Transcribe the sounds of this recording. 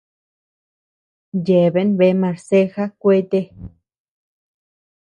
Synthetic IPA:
je˨βe˦nβe˧˦mã˧˨ɾse˦xa˦kʷe˦t̪e˦

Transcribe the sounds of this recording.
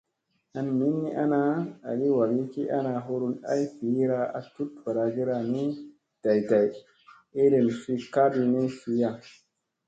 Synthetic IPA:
a˨nmi˦ni˦ʔa˦na˦a̰˨ɡi˦wa˨ɡi˦ki˦ʔa̰˦na˧ɦo˦ɾu˧na̰˦jfi˨˦ɾa˧a̰˨tu˦tfa˨ɾa˧ɡi˦ɾa˦˨ni˦ | d̥a˨jda˨j | e˦ɾe˨nfi˦ka˦bi˦˧ne˦fi˨˦ja˨

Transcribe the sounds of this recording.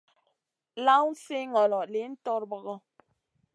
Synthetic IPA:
la˦wn̩˦se˦ŋɔ˨lɔ˨le˨˦n̩˦tɔ˦ɾbɔ˦ɣɔ˦

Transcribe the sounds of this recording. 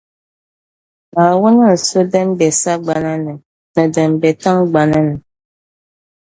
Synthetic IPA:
na˨wo˦nə˦n̩˨so˦də˦mbɛ˨sa˦ɡ͡ba˨na˦nə˨ | nə˨də˨mbɛ˨ta˦ŋɡ͡ba˨na˦nə˨

